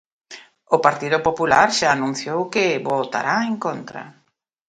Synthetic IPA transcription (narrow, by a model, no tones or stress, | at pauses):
ʊpaɾt̪iðʊpopula̰ɾʃaːnũn̟θjowkɪβot̪a̰ɾaeŋkont̪ɾa̰